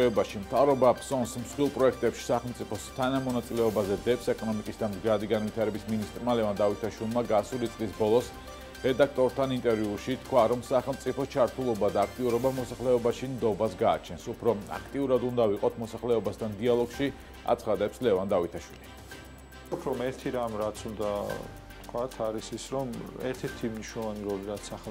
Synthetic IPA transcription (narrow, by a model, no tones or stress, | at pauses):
ɛbaʃimt̪ʰavɾɔbapsɔnsmsχwilˠpʼɾɔɛkʰt̪ʼɛpʃi̥saχɛlmt̪sʼipʰɔst̪ʰanamɔnat̪sʼilɛɔbazɛd̪ɛpsɛkʼɔnɔmikʼisd̪amd̪ɡɾad̪iɡanvit̪ʰaɾɛbisminist̪ʼɾmalɛvand̪avit̪ʰaʃwilˠmaɡasulit̪sʼlisbɔlˠɔs | ɾɛd̪ak̚ʰt̪ʼɔɾt̪ʰanint̪ʼɛɾviuʃit̪ʰkʰwaɾɔmsaχɛlˠmt̪sʼipʰɔt͡ʃʰaɾt̪ʰulˠɔbad̪aːk̚ʰt̪ʼiuɾɔbamɔsaχlɛɔbaʃimd̪ɔbasɡaːt͡ʃʰɛnsupʰɾɔa̰kʰt̪ʼiuɾad̪und̪aviqʼɔt̪ʰmɔsaχlɛɔbast̪ʰand̪ialˠɔɡʃi | a̰t̪sʰχad̪ɛpslɛvand̪avit̪ʰaʃwili | upʰɾɔmɛɾt̪ʰiɾamɾat̪sʰund̪a | t̪kʰwat̪ʰaɾisisɾɔmɛɾt̪ʰɛɾt̪ʰimniʃnɔlˠɔvaniɾɔliɾat̪sa